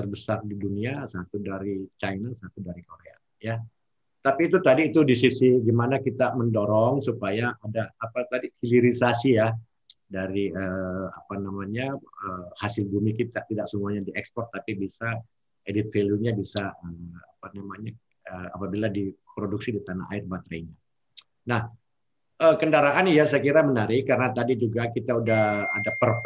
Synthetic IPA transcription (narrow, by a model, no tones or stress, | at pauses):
t̪ərbəsardiduniasat̪udaɾit͡ʃajnasat̪udaɾikoɾea̰ | ja | t̪apiːt̪ut̪adiːt̪udisisiɡimanakit̪aməndoɾɔŋsupajaʔːdaːpat̪adihiliɾisasija | daɾiəa̰panamaɲaəhasɪlbumikit̪at̪idaksəmuaɲadiʔɛkspɔrt̪ːapibisa | edit̪feljuɲabisaəapanamaɲa | əa̰pabiladipɾoduk̚sidit̪ana̰ɦa̰ɪrbat̪ɾaiɲa | nah | ʔəkəndaɾaʔanjasajakiɾamənaɾɪkaɾənat̪adid͡ʒuɡakit̪audahadapər